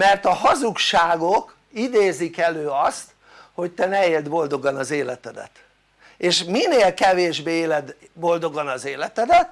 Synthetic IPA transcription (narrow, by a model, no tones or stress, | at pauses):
mɛrt̪ɒɦɒzukʃaːɡok | id̪eːzikɛløːɒst̪ | ho̞ct̪ɛnɛeːld̪bo̞ld̪o̞ɡɒnɒzeːlɛt̪ɛd̪ɛ̰t̪ | eːʃmineːlkɛveːʒbeːeːlɛd̪bo̞ld̪o̞ɡɒnɒzeːlɛt̪ɛd̪ɛt̪